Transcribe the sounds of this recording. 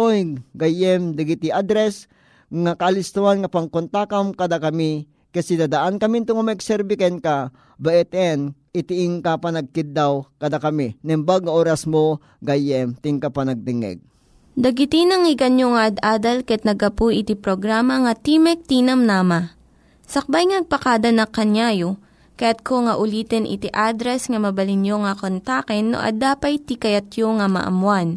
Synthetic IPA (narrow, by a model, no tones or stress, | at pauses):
ojɡajɛmd̪ɐɡit̪iʔad̪ɾɛs | ŋakalɪst̪uwanŋɐpɐŋkont̪akamkɐd̪akɐmi | kɐsid̪ad̪aʔankɐmint̪ʊŋamɐɪɡsɛɾbikɛnka | bɐʔɛt̪ɛnʔɪt̪ɪʔiŋkapɐnɐɡ̚kɪt̪ːawkɐd̪akɐminɛmbaɡɐʔoːɾɐsmo | ɡajɛmt̪iŋkapɐnɐɡ̚t̪ɪŋɛ̰ɡ̚ | d̪ɐɡɪt̪inɐŋɪɡɐnjoŋɐʔɐd̪ʔaːd̪ɐlkɐjɐt̪̚nɐɡɐpujʔɪt̪ipɾoɡɾaːmɐŋɐt̪imɛk̚t̪inɐmnaːmɐ | sɐk̚bajŋɐnɐɡ̚pɐkad̪ɐnɐkːɐnjaːjo | kɐjat̪̚kʰoŋɐʔʊliːt̪ɛnʔɪ̰t̪iʔad̪ɾɛsŋɐmɐbɐlɪnjoŋɐkont̪akɛnːo̰ʔɐ̰d̪aːpɐjt̪ikɐjɐt̪joŋɐmɐ̰ʔɐ̰mwan